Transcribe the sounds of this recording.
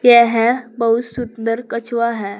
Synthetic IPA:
jɛ̃ɦɛ̃bəɦut̪sund̪əɾkət͡ɕʋaɦɛ

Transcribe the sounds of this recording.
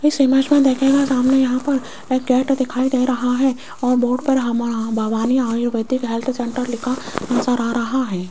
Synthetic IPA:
ɪsemət͡ʃmẽd̪eːkʰẽːɡasaːmnejɐɦãpɐɾ | eːk̚ɡɛːʈd̪ɪkʰaːid̪eɾɐɦaɦɛː | ɔːɾboːɖpɐɾɦɐmbʱaʋaːniaːjuʋəd̪ɪkɦelt̪ʰsẽɳʈəɾlɪkʰaɐnsaːɾaːɾɐɦaɦɛː

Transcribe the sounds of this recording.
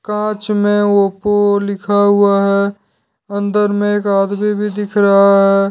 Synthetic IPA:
kãːt͡ʃmẽopolɪkʰaɦuaɦɛ | ə̃nd̪əɾmẽeːkaːd̪bibʱid̪ɪkʰɾɐɦaɦɛː

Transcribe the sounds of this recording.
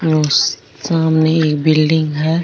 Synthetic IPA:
jos | saːmneeːk̚bɪlɖɪ̃ŋɡɦɛː

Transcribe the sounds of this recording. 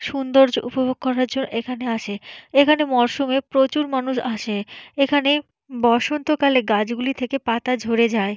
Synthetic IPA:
ʃund̪oɾd͡ʑoʔṵpobʱoɡ̚kːɔɾaɾd͡ʑonːoʔekʰaneaʃʰeekʰanemɔɾʃumepɾot͡ɕuɾmanuʃaʃeekʰane | bɔʃont̪okaleɡad͡ʑɡulit̪ʰekepat̪ad͡ʑʱoɾed͡ʑae

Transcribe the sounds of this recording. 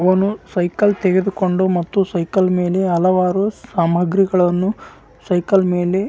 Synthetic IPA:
ɐʋɐnusɐjkɐlt̪eɡed̪uko̞ɳɖumɐt̪ːusɐjkɐlme̞ːle̞ɐlɐʋaːɾusaːmɐɡɾiɡɐɭɐnːu | sɐjkɐlme̞ːle̞

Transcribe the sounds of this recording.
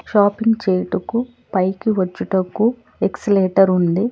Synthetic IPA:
ʃaːpiŋɡt͡ʃeːjʈuku | pɐjkiʋɐt͡ʃːiʈɐkːu | eksleːʈɐɾund̪i

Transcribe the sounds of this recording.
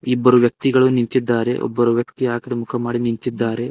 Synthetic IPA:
ibːɐɾuʋjɐk̚t̪iɡɐɭunint̪id̪ːaːɾe̞̰ʔɔ̰bːɐɾuʋjɐk̚t̪iaːkɐɽemukʰɐmaːɽinint̪id̪ːaːɾe̞

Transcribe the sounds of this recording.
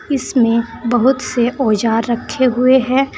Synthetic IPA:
ɪsmẽbɐɦʊt̪seʔoːd͡ʒaːɾːɐkʰːeɦʊeɦɛ̃ː

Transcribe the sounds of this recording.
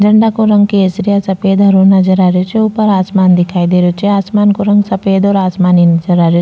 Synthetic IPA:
d͡ʒɐɳɖaːkuɾɐŋɡkeːsɾijasɐpeːd̪ɐɾunɐd͡ʒɐɾaɾjut͡ʃeupɐɾaːsmaːnd̪ikaːjd̪eɾut͡ʃeaːsmaːnkuɾɐŋɡsɐpeːd̪oɾaːsmaːninɐd͡ʒɐɾaːɾu

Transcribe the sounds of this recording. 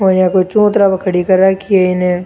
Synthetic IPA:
ojãkot͡ʃõːt̪ɾabɐkʰəɽikɐɾakieɪnẽ

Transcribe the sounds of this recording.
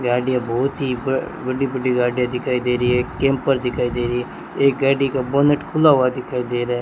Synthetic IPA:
ɡaːɖɪjãːbɔːt̪ɦiː | bəɖiːbəɖiːɡaːɖɪjãːd̪ɪkʰaːiːd̪eːɾieːkːẽːmpəɾd̪ɪkʰaːid̪eːɾiɛ | eːk̚ɡaːɖiːkaboːnəʈkʰʊlaːɦʊad̪ɪkʰaːid̪eːɾɛ

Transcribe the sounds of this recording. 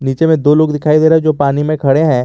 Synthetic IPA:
niːt͡ʃemẽd̪oːloːɡd̪ɪkʰaːid̪eːɾaːɦɛd͡ʒoːpaːnimẽkʰɐɽeɦɛ̃ː

